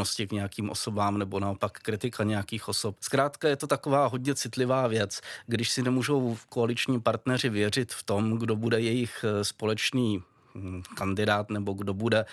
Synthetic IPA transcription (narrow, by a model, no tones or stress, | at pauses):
oscɪkɲɛjakiːmʔo̞̰so̞baːmnɛbo̞nao̞pakːɾɪt̪ɪkaɲɛjakiːxʔo̞so̞p̚skɾaːt̪kajɛt̪o̞t̪ako̞vaːɦo̞ɟɲɛt͡sɪt̪lɪvaːvjɛt͡sɡdɪʃsɪnɛmuːʒo̞wko̞alɪt͡ʃɲiːpaɾt̪nɛr̝ɪvjɛr̝ɪt̪ft̪o̞mɡdo̞budɛjɛjɪxspo̞lɛt͡ʃniː | kandɪdaːt̪nɛbo̞ɡdo̞budɛ